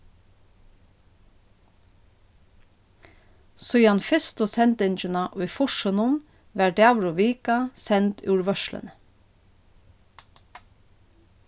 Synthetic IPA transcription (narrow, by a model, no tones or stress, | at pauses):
sɔjɑnfɪst̪osɛnt̪ɪnt͡ʃənɑʔuɪfʊʃənʊn | ʋæːɖ̪æʋɹʊʋiːkɑsɛnt̪ʉːɹʋœʃlə̰n